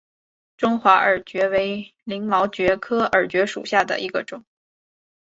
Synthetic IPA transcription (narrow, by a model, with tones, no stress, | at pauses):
ʈ͡ʂʊ˥ŋxwa˧˥ʔə˞˨˩t͡ɕɥɛ˧˥we˧˥ɪli˧˥ŋmɑ˧˥ʊt͡ɕɥɛ˧˥kʰɤ˥ə˞˨˩t͡ɕɥɛ˧˥ʂṵ˨˩ɕja˥˩d̪ə̰˩ʔi˧˥ɡə˧ʈ͡ʂʊ˨˩˦ŋ